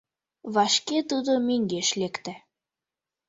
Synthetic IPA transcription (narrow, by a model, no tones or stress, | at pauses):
βɑʃket̪ud̪omeŋɡeʃlekt̪æ